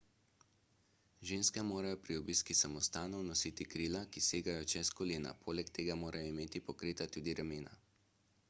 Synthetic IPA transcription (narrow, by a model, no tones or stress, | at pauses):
ʒeːnskɛmoːɾajɔpɾiɔbiːskisamɔst̪aːnɔwnɔsit̪ikɾiːlakiseːɡajɔt͡ʃɛskɔleːna̰pʰoːlɛkt̪eːɡamoːɾajɔimeːt̪ipɔkɾiːt̪at̪uːd̪iɾameːna̰